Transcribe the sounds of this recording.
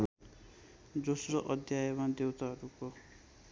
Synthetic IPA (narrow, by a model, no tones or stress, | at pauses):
d͡zosɾɔʔʌd̪ʱjajemad̪ewt̪aɦɔɾukɔ